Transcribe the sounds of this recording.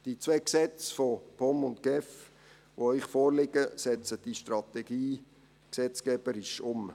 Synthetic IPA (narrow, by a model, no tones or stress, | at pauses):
d̥it͡sʋeːksɛt͡sfɔpʰɔmʊntɡ̥ɛf | ʋoɪχfɔːɾlɪɡ̥əsɛt͡səd̥iʃtrɑt̪ɛɡ̥iː | ksɛt͡skɛb̥əɾɪʃʊm